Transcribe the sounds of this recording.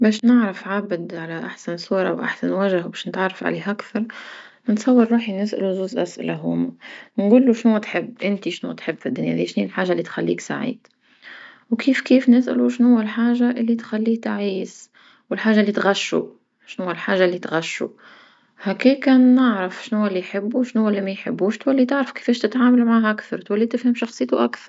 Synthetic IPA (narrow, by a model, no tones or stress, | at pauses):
bæːʃnɪʕɾɑfʕabd̪ʕalæʔaħsansuːɾˤɑ̰wʔa̰ħsanwæʒɪhwbɛːʃnɪt̪ʕarˤːɑfʕa̰leːɦʔakθɑɾˤnɪt̪sˤɑwːɪɾːuːħinɪsʔa̰luzuːzʔæsʔɪ̰laɦʊːmanɡuːlːuʃnuːt̪ħɪbːʔɪnt̪iʃnṵːt̪ħɪbːfid̪ːʊnjæ̰ðiːʃniːlħaːʒaʔlːiːt̪xalːḭːksa̰ʕḭːd̪̥ | wkʰiːfkiːfnɪsʔa̰luʃnhʊwːælħaːʒaʔɪlːit̪xælːiːk̚t̪aʕiːs | wɪlħaːʒaʔlːit̪ɣaʃːṵ | ʃnhʊwːælħaːʒaʔlːit̪ɣaʃːṵ | hækiːkæːnːɪʕɾɪfʃnhʊːælːijħɪbːuwʃnhʊwːælːimæjħɪbːuːʃt̪wælːit̪ɪʕɾɑfkɪ̥fɛːʃt̪ɪt̪ʕaːmalmʕaːɦʔakθɑɾˤt̪wælːit̪ɪfhɪmʃɑxsˤɨjt̪uʔakθɑɾˤ